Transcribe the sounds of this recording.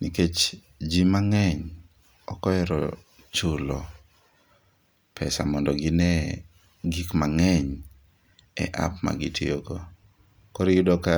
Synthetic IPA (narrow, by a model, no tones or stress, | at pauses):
niket͡ʃ | d͡ʒimaŋɛɲ | ɔkɔjɛɾɔ̰ | t͡ʃulɔ | pʰɛsamɔndɔɡɪnɛ | ɡikmaŋɛɲ | ɛ̰ʔa̰pma̰ɡitʰioɡo | kɔɾijʊdɔka